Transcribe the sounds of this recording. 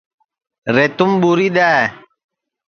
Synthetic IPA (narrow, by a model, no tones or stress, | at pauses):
ret̪umbuɾida